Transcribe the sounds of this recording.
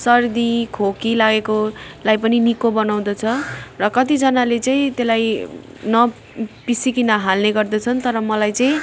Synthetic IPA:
sʌrd̪ikʰokilaɡekolajpʌninikobʌnaw̃d̪ʌt͡sʰʌrʌkʌt̪id͡zʌnalet͡sʌĩt̪elaj | nʌ | pisikinʌɦalneɡʌrd̪ʌt͡sʰʌnt̪ʌɾʌmʌlajt͡sʌĩ

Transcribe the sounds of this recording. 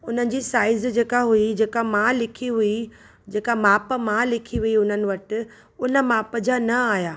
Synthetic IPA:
ʊn̤ənɪ̆d͡ʑiːsaːɪzd͡ʑeːkaɦuid͡ʑeːkamãlɪkʰiɦʊi | d͡ʑeːkamaːpmãlɪkʰiɦʊiʊn̤ənɪ̆ʋɐʈɪ̆ | ʊnə̆maːpəd͡ʑanɐaːjaː

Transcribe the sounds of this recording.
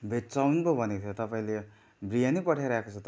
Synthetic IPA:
bʱet͡sawnkobʱʌneot̪ʰjot̪ʌpaĩle | brijanipʌʈʰjaɾaekot͡sʰʌt̪

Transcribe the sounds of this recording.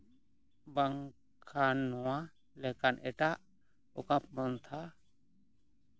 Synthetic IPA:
baŋ | kʰanɔwa | lɛkanʔɛʈaʔ | ɔkãpmɔnt̪ʰa

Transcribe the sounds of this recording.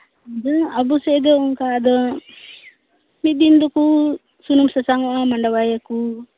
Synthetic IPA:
ad̪ɔabusɛd̪ɔuŋkad̪ɔ | mid̪ind̪ɔku | sunumsasaŋɔʔamaɳɖawajaku

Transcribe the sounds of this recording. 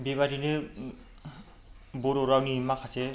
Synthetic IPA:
beβadine | boɾoɾawniːmakʰasɛ

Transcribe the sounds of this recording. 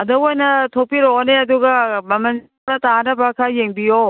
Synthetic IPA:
ɐdoojnɐtʰopiɾoneɐduɡɐmɐmɐn | ɐtaanɐbɐkʰajeŋbijo

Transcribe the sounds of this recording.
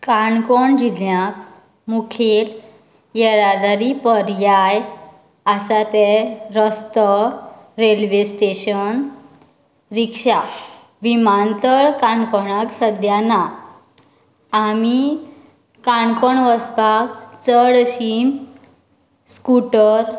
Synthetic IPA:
kaɳkɔɳd͡ʑiljak | mukʰel | jɛɾad̪aɾipəɾjaj | asat̪ɛɾəst̪əɾelʋesʈeɕən | ɾikʂa | ʋimant̪əɭkaɳkɔɳaksəd̪ʱjana | ami | kaɳkɔɳʋəsbak̚t͡səɽɕim | skuʈəɾ

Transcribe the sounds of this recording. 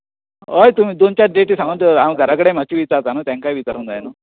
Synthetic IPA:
ojt̪umiːd̪ont͡ɕaɖeʈisaənd̪amɡʱəɾakəɽem̤at͡ɕiʋit͡saɾt͡sanət̪jaŋkajʋit͡saɾund̪ajanu

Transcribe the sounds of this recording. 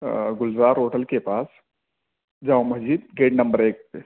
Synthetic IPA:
ɡʊlzaːɾoːʈəlkepaːs | d͡ʒãːwmɐd͡ʒiːd̪̚ɡeːɖnɐ̃mbəɾeːk̚pe

